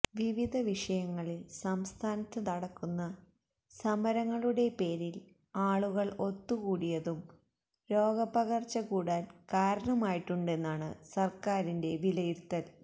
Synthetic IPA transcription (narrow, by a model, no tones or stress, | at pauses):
ʋiʋid̪ʱɐʋiʂɐjɐŋːɐɭilsɐmst̪ʰaːnɐt̪ːɐnɐɽɐkːunːɐ | sɐmɐɾɐŋːɐɭuɽe̞pe̞ːɾil | aːɭuɣɐɭo̞t̪ːukuːɽijɐðum | ɾo̞ːɡɐpɐɣɐrt͡ɕːɐkuːɽaːlkaːɾɐɳɐmaːjiʈːuɳɖe̞nːaːɳɨsɐrkaːɾinde̞ʋilɐjiɾt̪ːɐl